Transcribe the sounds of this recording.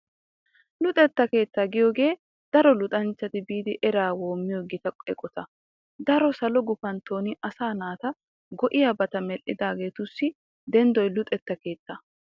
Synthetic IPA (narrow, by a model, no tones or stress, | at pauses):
lʊt̪ʼɛt̪ːɐke̞ːt̪ːaːɡɪjoːɡe̞ː | d̪̥ɐɾɔlʊt̪ʼɐnt͡ʃːɐt̪ɪbiːd̪ɪʔɛɾaːwo̞ːmːɪjɔɡɪt̪ɐkʼɛkʼɔt̪ɐ | d̪ɐɾɔsɐlɔɡʊfɐnt̪o̞ːnɪʔɐsaːnaːt̪ɐ | ɡɔʔɪjabɐt̪ɐmɛlʔɪd̪aːɡe̞ːt̪ʊsːɪ | d̪ɛnd̪ɔjlʊt̪ʼɛt̪ːɐke̞ːt̪ːɐ